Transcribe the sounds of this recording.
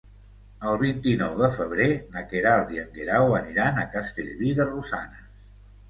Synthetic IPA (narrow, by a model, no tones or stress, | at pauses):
əlˠβint̪inɔwðəfəβ̞ɾenakeɾalˠd̪iəŋɡeɾawəniɾanəkast̪eʎβiðərusa̰nə